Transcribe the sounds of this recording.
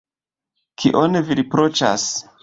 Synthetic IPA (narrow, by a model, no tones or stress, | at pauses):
kʰiʔoneviɾipɾot͡ʃa̰s